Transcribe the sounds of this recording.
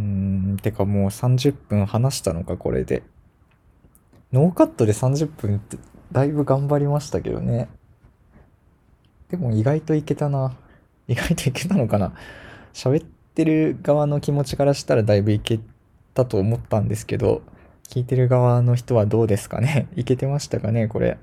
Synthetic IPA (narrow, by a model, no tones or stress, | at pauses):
ɯ̃t̪ekamo̞ːsãɲ̟d͡ʑɨpːɯ̟̃ɰ̃hanaɕi̥t̪ano̞kako̞̰ɾḛd̪e̞̰ | no̞ːkat̪ːo̞d̪e̞sãɲ̟d͡ʑɨpːɯ̟̃nt̪ːed̪aibɯ̟ɡãmbaɾʲimaɕi̥t̪ake̞̰d̪o̰ne̞ | d̪̥e̞mo̞iɡait̪o̞ike̞t̪ana | iɡait̪o̞ike̞t̪ano̞kanaɕaβe̞t̪ːe̞ɾɯ̟ɡaβano̞kʲimo̞t͡ɕi̥kaɾaɕi̥t̪aɾad̪aibɯ̟ike̞ | t̪at̪o̞ːmo̞t̪ːãnd̪e̞sɨ̥ke̞̰d̪o̞̰ | kʲiːt̪e̞ɾɯ̟ɡaβano̞ç̬i̥t̪o̞β̞ad̪o̞ːd̪e̞sɨ̥ka̰ne̞ike̞t̪e̞maɕi̥t̪akane̞ko̞̰ɾe̞̰